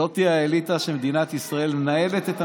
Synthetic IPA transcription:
ot̪iaelit̪aʃemed̪inat̪isʁae̞lmenaje̞le̞t̪et̪a

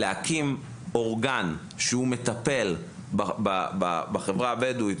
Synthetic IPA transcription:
leakim | oʁɡan | ʃeumet̪ape̞l | babbabaχevʁaːbedui

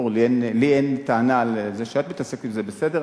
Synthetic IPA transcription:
ulienlient̪aanalzeʃat̪mit̪asekimzebesed̪eʁ

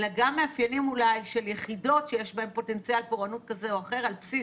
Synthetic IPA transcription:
laɡamːeafjalimulajʃeljeχido̞tʃejeʃbahe̞mpo̞te̞nt͡sialpoʁanut̚kazeoaχe̞ʁalpsi

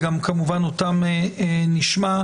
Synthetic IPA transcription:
ɡamkamuvanotameniʃma

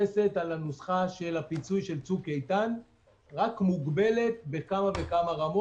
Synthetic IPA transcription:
ese̞t̪alanusχaʃe̞lapit͡sujʃe̞lt͡sukejt̪an | ʁakmuɡbe̞le̞t̪̚be̞kamave̞kamaʁamo

